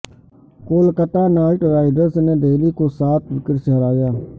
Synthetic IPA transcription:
koːlkət̪aːnaːɪʈɾaːɪɖəɾsneːɖeːliːkoːsaːt̪ʰʋɪkəɾsəɦəɾaːjaː

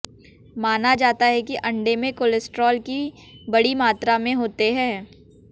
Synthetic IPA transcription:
maːnad͡ʒaːt̪aɦɛkiʔɐ̃ɳɖemẽkolɪsʈɾɔːlki | bɐɽimaːt̪ɾamẽɦoːt̪eɦɛ̃ː

